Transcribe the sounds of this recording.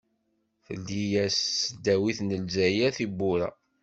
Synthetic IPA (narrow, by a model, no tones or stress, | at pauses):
θə̰ld̪ijæsd̪æwiθnəlzæjæθibːʊɾæ̰